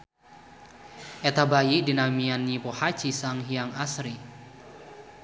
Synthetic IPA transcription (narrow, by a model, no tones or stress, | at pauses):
ʔɛt̪abajidinamianːipohat͡ʃisaŋɦiaŋasɾi